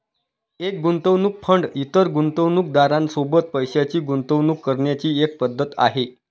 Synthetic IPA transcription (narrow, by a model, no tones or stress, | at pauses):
ek̚ɡunt̪əʋnuːk̚pʰəɳɖit̪əɾɡunt̪əʋnuk̚d̪aɾãnsobət̪̚pəjɕjat͡ɕiːɡunt̪əʋnuːkːəɾɳjat͡ɕiːek̚pəd̪ʱːət̪a̰ɦe